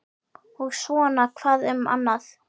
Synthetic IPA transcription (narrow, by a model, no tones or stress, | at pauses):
ɔɣsvɔːnakʰvaːðʏma̰nːaθ